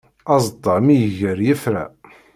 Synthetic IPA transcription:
ɑzˤd̪ˤɑɾmijəʝəɾjəfɾæ̰

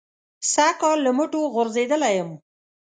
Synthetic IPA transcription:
sakɑlːəmʊʈoɣʊɾzed̪əlajəm

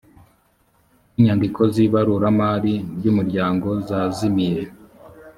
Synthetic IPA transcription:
iɲandikʰo̞ziːβaɾuɾamaːɾibɟuːmuɾɟaːŋɡo̞zaːzimiɾe̞

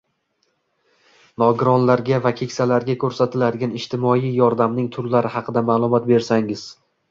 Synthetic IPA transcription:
nɒɡɾɒnlaɾɡʲavakʲʰe̞kʲsalaɾɡʲakʰɵɾsat̪ʰɪlad̪ɪɡʲanɪʃt̪ʰɪmɒjijɒɾd̪amnɪŋt̪ʰʊɾlaɾɪɦɑqʰɨd̪amaːlˠʊmɒt̪̚be̞ɾsaŋɪz̥

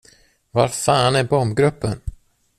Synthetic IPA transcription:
vaɾfaːnæɾbɔmbɡɾɵpːən

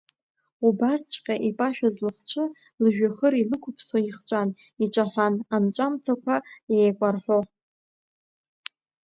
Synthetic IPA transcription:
ubast͡ɕʷʰʼqʲʼaʔipʼaʃᶣazlɨχt͡ʃʷʰɨ | lɨʒᶣaχəɾilɨkʷʰʊpʰswaiχt͡ʃʷʼan | iʈ͡ʂʷʼaħʷanamt͡ʃʷʼamtʰakʷʰajejkʷʼarħʷo

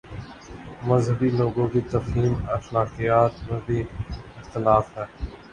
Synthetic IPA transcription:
məzɦəbiloːɡõːkit̪ɐfɦiːməxlaːqijaːt̪mẽbʱiːɪxt̪ɪlaːfɦɛː

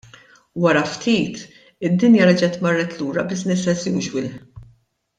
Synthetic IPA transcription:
wɐɾɐft̪iːt̪ | ɪd̪ːɪnjɐɾɐd͡ʒɛt̪mɐrːɛt̪luːɾɐbɪʃnɪsɛsiuʃwɪlħ

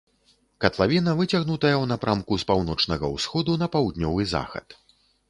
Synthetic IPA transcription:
kɐt̪lˠavʲinɐvɨt͡sʲaɣnut̪ɐjɐwnɐpɾʔamkuspawnɔt͡ʂnɐɣɐ̰wsxɔd̪unɐpawd̪nʲɔvɨza̰xɐ̰t̪

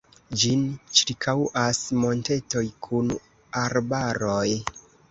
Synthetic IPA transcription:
d͡ʒint͡ʃiɾkʰawʔasmo̞nte̞to̞jkʰun | aɾbaɾo̞j

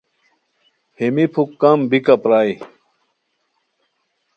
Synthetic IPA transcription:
hemipʰukːɐmbikɐpɾaːi

